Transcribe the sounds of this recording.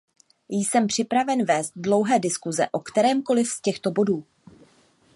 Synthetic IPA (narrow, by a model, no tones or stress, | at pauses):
jsɛmpr̝̥ɪpɾavɛnvɛːst̪̚dlo̞wɦɛːdɪskuzɛ̰ʔo̞kt̪ɛɾɛːmko̞lɪfscɛxt̪o̞bo̞duː